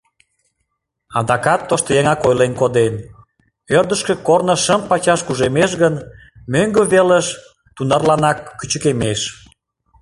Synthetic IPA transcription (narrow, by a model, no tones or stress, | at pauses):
ɑd̪ɑkɑt̪ːoʃt̪ojeŋɑkojlenkod̪en | ørd̪əʃkə̆kornəʃəmpɑt͡ɕɑʃkuʒemeʃɣən | møŋɡəβeləʃ | t̪unɑrlɑnɑkːyt͡ɕəkemeʃ